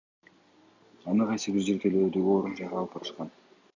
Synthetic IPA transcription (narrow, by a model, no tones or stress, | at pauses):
ɑnɯqʰɑjsɯbiɾd͡ʒeɾɡ̪eløːd̪yoːɾund͡ʒɑɾɑlˠɯpɑt̪ɯ̥ʃqɑn